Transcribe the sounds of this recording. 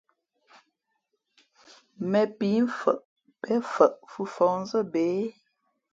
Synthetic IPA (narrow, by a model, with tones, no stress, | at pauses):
mɛ˨pi˨˦m̩˦fə̰˨ʔ | pɛ˦fə˨ʔfu˨fɔ˨ŋ˦zə˦˨be˨˦